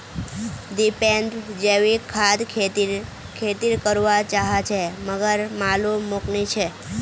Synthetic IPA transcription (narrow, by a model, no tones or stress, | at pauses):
ɖipeɳɖd͡ʒeʋikʰːad̪ʰe | kʰet̪iɾkəɾʋat͡ʃaɦat͡ʃʰeməɡəɾmaluːuknit͡ʃʰe